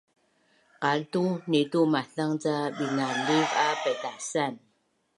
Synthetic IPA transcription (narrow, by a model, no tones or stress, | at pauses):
qaltunetumaɬaŋt͡saɓiŋalivapɛtasan